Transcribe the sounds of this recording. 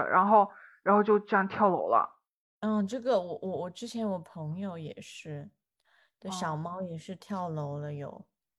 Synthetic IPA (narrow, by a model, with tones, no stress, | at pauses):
ɻa̰˧˥nxo˥˩ʊɻa˧˥nxo˥˧ʊt͡ɕjo˥˧ʊʈ͡ʂɤ˥˧jɑ˥˩ŋt̪ʰjɑ˥˩ʊlo˧˥ʊlə̰˧ | n̩˥˩ʈ͡ʂɤ˥˩ɡə˩wɔ˨˧˩wʔɔ˧˩wɔ˨˩ʈ͡ʂɻ̩˥t͡ɕʰjɛ˧˥nwɔ˨˩pʰɤ˧˥ŋjo˧ʊjɛ̰˨˩ʂɻ̩˥˩ | d̪ə˧˩ɕɑ˨˩ʊmɑ˥ʊjɛ˨˩ʂɻ̩˥˧t̪ʰjɑ˥˩ʊlo˧˥ʊlə˧jo̰˨˩˦ʊ